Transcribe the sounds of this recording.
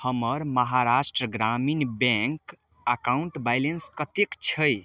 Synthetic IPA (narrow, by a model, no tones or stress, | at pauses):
həməɾməɦaɾasʈɾəɡɾaminbɛ̃ŋk | akauɳʈbajlenskət̪ekt͡ʃʰəj